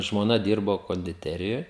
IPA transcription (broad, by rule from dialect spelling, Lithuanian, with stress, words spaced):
ʒmoːˈnɐ ˈdʲiːrboː koːnʲdʲɪˈtʲæːrʲɪjoːj